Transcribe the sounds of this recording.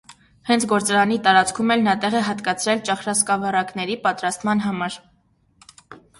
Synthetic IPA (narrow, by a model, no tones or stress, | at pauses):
hɛnt͡sʰɡɔɾt͡sɑɾɑnit̪ɑɾɑt͡skʰumɛlnɑt̪ɛʁɛɦɑt̪kɑt͡sʰɾɛlt͡ʃɑχɾɑskɑvɑɾɑknɛɾipɑt̪ɾɑst̪mɑnɦɑmɑɾ